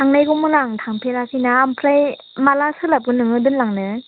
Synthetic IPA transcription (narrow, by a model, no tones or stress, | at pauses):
aŋnajɡuŋmɯnaŋtʰaŋpʰeɾasinaːmpʰɾaj | malasɯlap̚ɡɯnɯŋɯdɯnlaŋnɯ